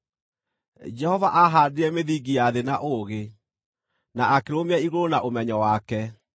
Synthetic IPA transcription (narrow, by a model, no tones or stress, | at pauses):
d͡ʒɛhɔvaʔaɦadeɛmeðiɡijaðenaʔoɣe | naʔakeɾomeɛiɣoɾonaʔomɛɲɔwakɛ